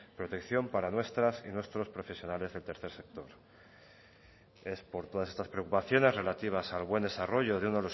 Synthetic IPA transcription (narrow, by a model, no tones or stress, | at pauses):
pɾo̞t̪e̞kθjo̞mpaɾanwe̞st̪ɾasḭnwe̞st̪ɾo̞spɾo̞fe̞sjo̞nale̞zðe̞lt̪e̞ɾθe̞ɾse̞k̚t̪o̞ɾ | e̞spo̞ɾt̪oðase̞st̪aspɾe̞okupaθjo̞ne̞zre̞lat̪iβ̞asalβ̞we̞nd̪e̞saro̞ʝo̞ð̞eunelo